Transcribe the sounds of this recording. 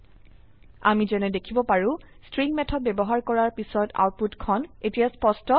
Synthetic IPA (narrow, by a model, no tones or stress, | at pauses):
a̰mizɛnɛdekʰibɔpaɹũ | stɹiŋmɛtʰɔt̚bɛbɔɦaɹkɔɹaɹpisɔta̰wt̚putkʰɔnetijaspɔstɔ